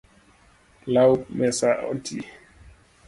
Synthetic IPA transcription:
lawmɛsaʔɔ̰ntʰḭ

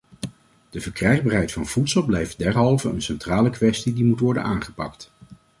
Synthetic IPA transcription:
d̥əvəɹkrɛjχbaːɹɦɛjtfɑnv̥utsəlˠblɛjft̚dɛɹɦɑlˠvəənsɛntraːləkʋɛstidimutʋɔɹdə̰nʔaːnχə̥pɑ̰kt

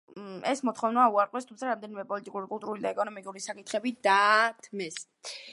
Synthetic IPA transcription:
ɛsmɔt̪ʰχɔvnauaɾqʼwɛst̪ʰumt̪sʰaɾamd̪ɛnimɛpʼɔlit̪ʼikʼuɾikʼulˠt̪ʼuɾulid̪aɛkʼɔnɔmikʼuɾisakʼit̪χɛbid̪at̪ʰmɛs

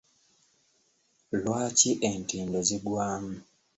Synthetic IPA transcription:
lwat͡ʃiʔentindɔziɡwaːm̩

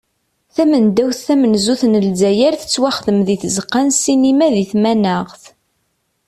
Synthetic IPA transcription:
θæmənd̪æwθːæmənzuθnəlzæjæɾθə̥t͡sːwæχəðəmðiθəzəqːænsinimæðiθmænæʁθ

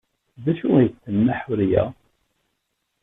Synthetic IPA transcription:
ðæʃujəθːənːaħʊɾjæ̰

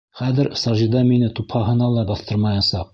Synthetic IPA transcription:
χæðɘɾsɑʒid̪ɑminɘt̪uphɑɦɤ̆nɑlˠɑbɑθt̪ɤɾmɑjɑsɑq̚

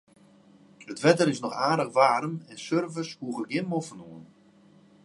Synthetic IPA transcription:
ətʋɛtərɪsnɔxaːdəxʋaːɾəmɛnsørvəshuəɣəɡɪnmofənuən

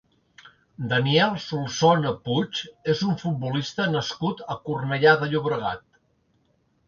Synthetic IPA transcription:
d̪əniɛlˠsulˠsonəput͡ʃezuɱfut̪̚bulist̪ənəskut̪əkurnəʎaðəʎuβɾəɣ̞a̰t̪̚

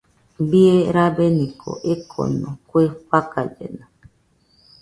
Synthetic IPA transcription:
bieɾabenĩkʰo̰ʔekʰo̰nõkʷeɸakad͡ʒḛno

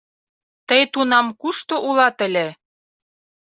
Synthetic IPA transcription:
t̪əjt̪unɑmkuʃt̪oʔulɑt̪ə̆lʲe

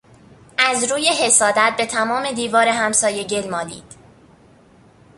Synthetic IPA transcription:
ʔæzɾuːje̞ɦe̞sɒːd̪æt̪̚be̞t̪ʰæmɒːme̞d̪iːvɒːɾe̞ɦæmsɒːje̞ɟe̞lmɒːlḭːd̪̥

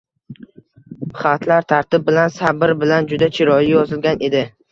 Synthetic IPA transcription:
pʰχat̪ʰlaɾt̪ʰaɾt̪ɪb̚bɪlansabɪɾbɪland͡ʒʊd̪at͡ʃʰɪɾɒjɪjɒzɪlɡʲanʔe̞d̪ɪ

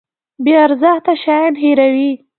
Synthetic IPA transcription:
beaɾzaxt̪aʃɑjanɦeɾawi

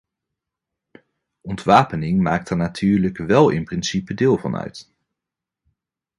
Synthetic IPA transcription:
ɔntʋaːpənɪŋmaːk̚tɛɹnatʰyːɹləkʋɛlˠɪ̰nprɪnsipədeːlˠvɑ̰nœ̰ɥt

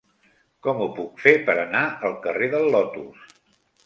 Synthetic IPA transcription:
kɔmupukfepəɾənaəlˠkəreðəlːɔt̪us

